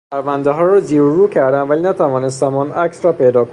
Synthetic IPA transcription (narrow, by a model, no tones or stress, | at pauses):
pæɾvænd̪eɦɒːɾɒːziːɾɾuːcʰæɾd̪ænvælinæt̪ʰævɒːnest̪æmɒːnʔæksɾɒːpʰe̞jd̪ɒːk